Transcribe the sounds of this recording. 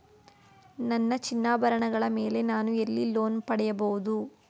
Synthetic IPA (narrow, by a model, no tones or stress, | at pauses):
nɐnːɐt͡ʃinːaːbɐɾɐɳɐɡɐɭɐme̞ːle̞naːnuelːilo̞ːnpɐɽɛjɐbɐɣud̪u